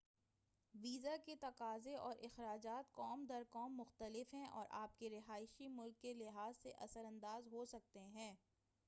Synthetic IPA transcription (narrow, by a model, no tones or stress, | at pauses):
ʋiːzaket̪ɐqaːzeʔɔːɾʔɪxɾaːd͡ʒaːt̪kɔːmd̪ɐɾkɔːmːʊxt̪əlɪfɦɛ̃ʔɔ̰ːɾʔaːp̚keɾɪɦaːɪʃimʊlkːelɪɦaːzseʔɐsəɾɐ̃nd̪aːzɦosɐk̚t̪eɦɛ̃ː